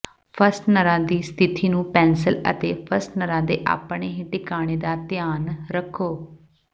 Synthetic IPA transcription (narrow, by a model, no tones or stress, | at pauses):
pʰəɾsʈnəɾãːd̪iːst̪ʰɪt̪ʰiːnũːpɛ̃ːnsələ̰t̪ḛːpʰəsʈnəɾãːd̪eːʔa̰ːpɳeːɦĩʈɪkaːɽ̃eːd̪aːt̪ɪjaːnɾəkʰːoː